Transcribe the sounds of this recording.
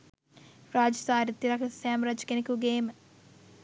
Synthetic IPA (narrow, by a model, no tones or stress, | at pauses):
ɾaːd͡ʒɐsaːɾit̪ːiɾɐkʰɐsjaːmɾɐd͡ʒkenikuɡeːm